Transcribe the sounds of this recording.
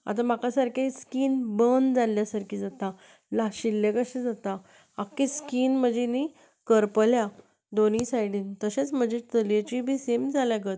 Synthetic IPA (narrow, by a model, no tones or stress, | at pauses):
a̰t̪am̤akasaɾkaiskiːnbənd͡zaljasaɾkʰiːd͡zat̪a | laɕilːekəɕid͡zat̪a | akːeskiːnm̤əd͡ʑeni | kəɾpəlja | d̪onĩsajɽiːnt̪əɕet͡sm̤əd͡ʑet̪əljet͡ɕibʱiːsemd͡zʱaljaɡət̪